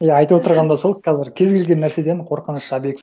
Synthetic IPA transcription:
jaɑjt̪uwot̪əɾʁɑnd̪ɑso̞lˠqʰɑzɪɾkʲʰe̞zɡʲe̞lɡʲe̞nːæɾse̞d̪e̞ɴqʰo̞ɾqənəʃːɑbeks

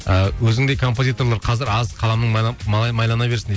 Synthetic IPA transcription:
əwɵzɪŋd̪ejkʰo̞mpo̞zʲijt̪o̞rlˠɑɾqʰɑzɪɾɑzqʰɑlˠɑmnəɴɑmɑlˠɑjmɑjlˠɑnɑbe̞ɾsɪnd̪e

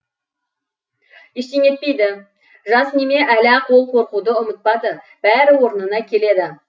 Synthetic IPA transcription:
eʃt̪eŋe̞t̪̚pe̞jd̪ɪ | ʒɑsneme̞ʔælæqʰo̞lˠqʰo̞ɾqud̪əʊmət̪̚pɑd̪ə | b̥æɾɪwo̞ɾənənɑkʲʰe̞le̞d̪ɪ

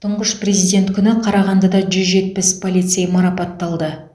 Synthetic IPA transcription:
t̪ʰʊɴʁəʃpre̞zijd̪ʲe̞nt̪kʲʰʏnɪqʰɑɾɑʁɑnd̪ɑd̪ɑʒʏzʒe̞t̪̚pɪspʰolʲit̪sejmɑɾɑpɑt̪ːɑlˠd̪ə

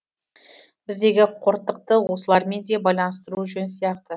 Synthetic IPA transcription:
b̥ɪzd̪e̞ɡʲɪqʰoɾt̪ːəq̚t̪əwo̞səlˠɑɾme̞nd̪e̞bɑjlˠɑnəst̪əɾuʒɪnsijɑqt̪ə

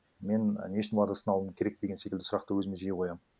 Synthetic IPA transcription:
me̞n̰neʃɪnlˠɑd̪asənɑlˠəməkʲʰe̞ɾe̞k̚d̪̥e̞ɡʲene̞kʲld̪ɪsʊɾɑqt̪əwɵzɪmeʒijeqʰo̞jɑm

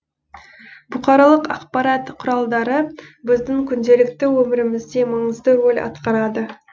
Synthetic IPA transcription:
bʊqɑɾɑlˠəqɑqpɑɾɑt̪qʰʊɾɑlˠd̪ɑɾəbɪzd̪ɪŋkʲʰʏnd̪e̞lɪkt̪ɪwɵmɪɾɪmɪzd̪e̞mɑɴəzd̪əɾo̞lʲɑ̰t̪qɑɾɑd̪ə

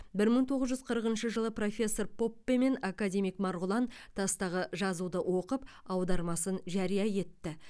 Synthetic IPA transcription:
bɪɾməɴt̪ʰo̞ʁəzʒʏzqʰəɾəqənʃəʒəlˠəpro̞fʲe̞sːo̞ɾpo̞pːeme̞nakad̪ʲe̞mijkmɑɾʁʊlˠɑnt̪ʰɑst̪ɑʁəʒɑzud̪əwo̞qəpɑwd̪ɑɾmɑsənʒæɾijɑje̞t̪ːɪ

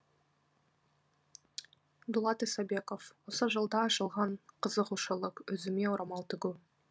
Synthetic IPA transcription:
d̪ulˠɑt̪esɑbe̞kofwosəʒəlˠd̪ɑːʃəlˠʁɑɴqʰəzəquʃəlˠəqɵzɪmewɾɑmɑlˠt̪ʰʏɡʲu

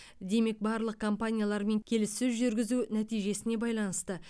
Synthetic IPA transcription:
d̪e̞me̞k̚bɑɾlˠəq̚kʰo̞mpanʲijalˠɑɾme̞ŋkʲʰe̞lɪsːʏzʒʏɾɡʲɪzunæt̪ijʒe̞sɪne̞bɑjlˠɑnəst̪ə

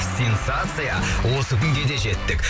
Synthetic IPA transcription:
sʲe̞nsat̪sɨjawo̞səkʲʰʏŋɡʲe̞d̪e̞ʒe̞t̪ːɪkʲ

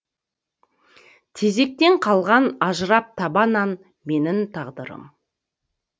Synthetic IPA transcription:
t̪ʰe̞ze̞k̚t̪e̞ɴqʰɑlˠʁɑnɑʒəɾɑp̚t̪ʰɑbɑnɑn | me̞nɪnt̪ʰɑʁd̪əɾə̰m

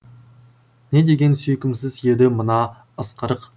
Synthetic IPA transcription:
ne̞d̪e̞ɡʲe̞nsɵjkʲɪmsɪzje̞d̪ɪmənɑ | əsqəɾəq

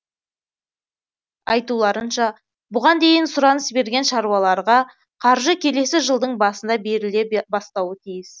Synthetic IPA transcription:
ɑjt̪ulˠɑɾənʃɑ | bʊʁɑnd̪e̞jɪnsʊɾɑnəsbe̞ɾɡʲe̞nʃɑɾwɑlˠɑɾʁɑ | qʰɑɾʒəkʲʰe̞le̞sɪʒəlˠd̪əɴbɑsənd̪ɑbe̞ɾɪle̞bɑst̪ɑwət̪ʰijɪs

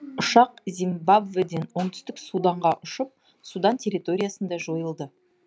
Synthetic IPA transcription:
ʊʃɑqzimbabved̪e̞nwoɴt̪ʰʏ̥st̪ɪksud̪ɑɴʁɑʔʊʃəp̚ | sud̪ɑnt̪ʲʰe̞ɾit̪o̞ɾʲijasənd̪ɑʒo̞jəlˠd̪ə

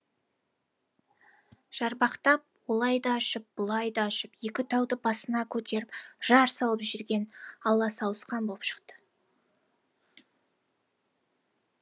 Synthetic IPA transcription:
ʒ̥ɑɾbɑqt̪ɑp̚wo̞lˠɑjd̪ɑːʃəp̚b̥ʊlˠɑjd̪ɑːʃəpje̞kʲɪt̪ʰɑwd̪əbɑsənɑkʲʰɵt̪e̞ɾɪpʒ̥ɑɾsɑlˠəpʒʏɾɡʲe̞nɑlˠːɑsɑwəsqɑnbo̞lˠpʃə̥qt̪ə̥

